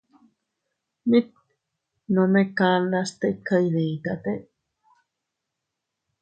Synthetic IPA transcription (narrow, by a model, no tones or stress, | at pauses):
mĩt̪̚ | nõmẽkalast̪ekʰaiɾeĩt̪at̪e